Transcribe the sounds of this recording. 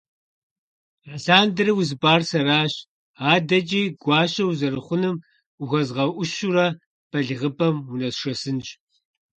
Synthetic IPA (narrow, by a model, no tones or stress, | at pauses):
ɬaːndɨrɨwʊzɨbaːrsɐɾaːɕ | aːdɐt͡ʃʼiːɡʷɑːɕɐwzɐɾɨχʷʊnɨm | ʊɣʷɐzʁɐʔʷʊɕuɾɐ | pʰɐɮɨʁəpʰʼɐmʊnɐsʂɐsɨnʒʼ